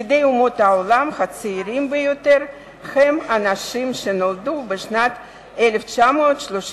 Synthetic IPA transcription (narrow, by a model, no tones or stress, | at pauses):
d̪e̞jumo̞t̪haolamχat͡siːɾimbejo̞t̪e̞ɾ | χemanaʃimʃe̞nold̪ubeʃnat̪ | ele̞ft͡ʃamo̞ːt̪ʃloʃ